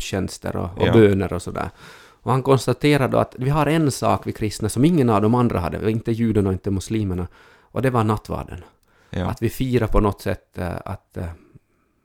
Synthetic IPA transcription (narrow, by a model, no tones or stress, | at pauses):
ɕɛnst̪ə̰ɾɔ̰ɔbøːnəɾɔsɔd̪æ̰ːɾ | ɔhankʰɔnst̪at̪ʰeːɾad̪o̰a̰t̪vɪɦaɾɛnsɑ̰ːkvɪkʰɾɪst̪nasɔmɪŋːənavd̪ɔmand̪ɾa̰ɦa̰d̪ːə̰ɪnt̪əjʉːd̪ənɔɪnt̪ːəmʊsliːməɳa | ʔɔd̪ɛvanat̪ːvɑ̰ːɖə̰n | ʔa̰t̪vɪfiːɾapʰɔnɔt̪ːsɛ̰t̪ːa̰t̪